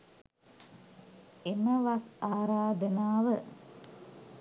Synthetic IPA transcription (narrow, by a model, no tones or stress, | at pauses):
eməʋasaːɾaːd̪ənaːʋə